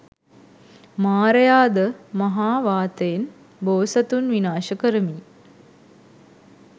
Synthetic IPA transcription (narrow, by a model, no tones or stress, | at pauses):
maːɾəjaːd̪əmɐɦaːʋaːt̪əjen | boːsɐt̪unʋinaːʃəkəɾəmiː